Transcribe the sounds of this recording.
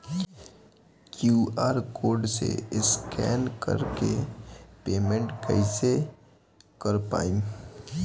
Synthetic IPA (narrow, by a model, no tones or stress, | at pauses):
kjuːaːɾkoːɾɖsḛɪskɛ̰ːnkə̰ɾkepeːmẽɳʈkɛ̰ɪse | kəɾpa̰ːĩ